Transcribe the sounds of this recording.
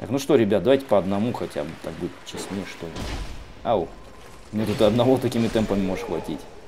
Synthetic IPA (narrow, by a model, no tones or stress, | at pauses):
t̪a̰knuʂt̪o̞ɾʲɪbʲat̪d̪ɐvajʲtʲɪ̥pɐɐd̪nɐmuxɐtʲa̰bt̪a̰k̚budʲɪt̪t͡ɕːɪsʲnʲejəʂt̪olʲɪ | a | mnʲet̪ut̪ɨɐd̪nɐvo̞t̪ɐkʲimʲɪt̪ɛmpəmʲɪmo̞ʐɨʂxvɐ̰tʲitʲ